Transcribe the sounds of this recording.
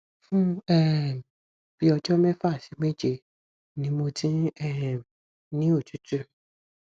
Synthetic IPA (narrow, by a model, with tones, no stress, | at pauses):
fũ˦ɛ˦˨ | b̥i˦ɔ˧d͡ʒɔ˦mɛ̃˦fa˦˨si˨˦me˦˨d͡ʒe˧ | nĩ˨˦mo˧tĩ˦ɛ˦˨ | nĩ˦o˦˨tu˨˦tu˦